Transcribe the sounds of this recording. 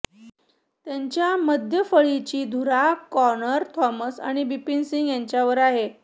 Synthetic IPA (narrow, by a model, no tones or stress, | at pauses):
t̪jaɲt͡ɕjaməd̪ʱjəfəɭit͡ɕiːd̪ʱuɾakɔnəɾt̪ʰɔməsa̰ɽ̃ibipinsiŋɡjaɲt͡ɕjaʋəɾaɦe